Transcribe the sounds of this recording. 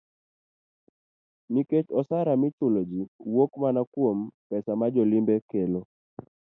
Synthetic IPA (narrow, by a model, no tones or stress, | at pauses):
niket͡ʃɔsaɾamɪt͡ʃʊlod͡ʒiwokmanakwompɛsamad͡ʒɔlimbɛkelo